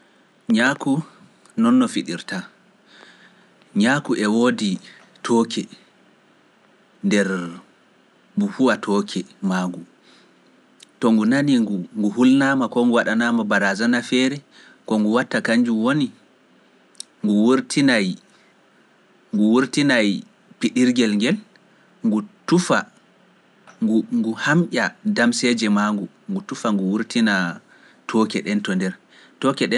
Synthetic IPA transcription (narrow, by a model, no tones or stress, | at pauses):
ɲaku | nɔnːɔfiɗiɾta | ɲakuʔɛwoːdi | tʰɔːkʰɛ | ndɛɾ | buhuwatʰɔːkʰɛmaːŋɡu | tɔŋɡunaniuŋɡuhulnaːmakɔŋɡuwaɗanaːmabaɾazanafɛɾɛ | kɔŋɡuwatːakaɲd͡ʒumwoni | ŋɡuwuɾtʰinaj | ŋɡuwuɾtinaj | piɗiɾɡɛlŋɡɛl | ŋɡutufa | ŋɡŋɡuhamʔʲadamsɛd͡ʒɛmaŋɡu | ŋɡutufaŋɡuwuɾtina | tʰɔkɛɗɛntɔndɛɾ | tɔkɛɗɛ